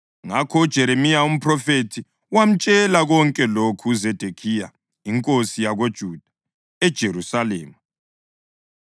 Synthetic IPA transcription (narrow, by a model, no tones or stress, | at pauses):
ŋakʰɔud̥ʒ̥ʱɛɾemijaum̩pʰʼrɔfetʰi | wam̩t͡ʃʼɛlaɣɔŋkʼɛlokʰuzed̥ʱekʰija | iŋkʼosijaɣod̥ʒ̥ʱuːd̥ʱḁ | ɛd̥ʒ̥ʱeɾusaleːmu